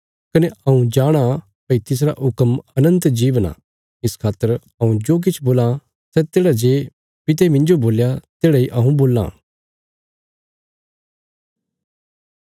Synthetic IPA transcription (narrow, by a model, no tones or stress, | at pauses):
kɐneɐũd͡ʒaːɽ̃ã | pɐit̪ɪs̬ɾaʔʊkəmɐnə̃nt̪d͡ʒiːʋna̰ | ɪskʰaːt̪ːəɾ | ɐũd͡ʒoːk̬ɪt͡ʃʰboːlã | sɛt̪eːɽad͡ʒeː | pɪt̪̬ɛmɪ̃nd͡ʒoboːljat̪eːɽaiʔɐɦũboːlːã̰ː